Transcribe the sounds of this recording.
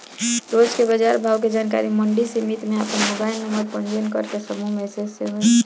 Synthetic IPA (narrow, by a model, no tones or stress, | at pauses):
ɾod͡ʒkebəd͡ʒaɾbʱawk̬ed͡ʒanka̰ɾiməɳɖisimit̪meapənmobaɪlnəməɾpənd͡ʒənkəɾkesəmumesesem